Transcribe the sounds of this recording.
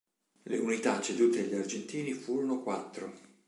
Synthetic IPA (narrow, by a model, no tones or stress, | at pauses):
leunit̪at͡ʃːed̪uːt̪eʎːiard͡ʒent̪iːnifuːɾonokwat̪ːɾo